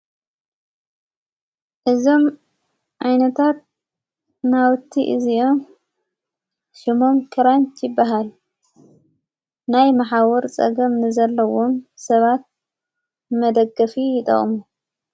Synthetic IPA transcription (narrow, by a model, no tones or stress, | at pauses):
ʔɨzo̞m | ʕajnɐt̪ʰat̪̚ | nawt̪ʰːiʔɨziʔo̞m | ʃɪmo̞mkʰɨɾant̪ʰjɪbːaɦal | najmaħawɔɾt͡sʼɐ̰ɡɐmnɨzɐlːɐwo̞msɐβat̪̚ | mɐd̪ɐɡɐfijɪt̪ʼɐ̰χʼmu